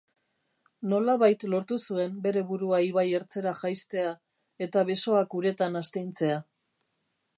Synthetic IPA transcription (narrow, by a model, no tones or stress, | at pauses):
no̞laβajt̪lo̞ɾt̪usue̞mbe̞ɾe̞βuɾuaiβaje̞ɾt͡se̞ɾaʝajst̪e̞a | e̞t̪aβe̞so̞akuɾe̞t̪anast̪ejnt͡se̞a